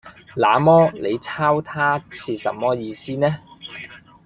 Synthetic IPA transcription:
laː˨˧mɔː˥le˨˧jt͡sʰaː˥wt̪ʰaː˥t͡sʰiː˧sɐ̰˨˥mːɔː˥jiː˧siː˥nɛː˥

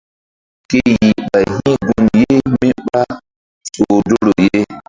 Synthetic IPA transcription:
ke˦ji˨ɓa˨jɦĩ˦ɡu˦nje˦mi˦ɓa˦ | so˨do˦ɾo˨je˦

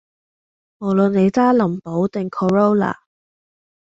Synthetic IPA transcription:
mo˨˩wlɵ˨nːe˨˧jt͡saː˥lɐ˨˩mpo˨˥wt̪ɪ˨ŋkʰɔ˨ɹo˥wla̰ː˨˩

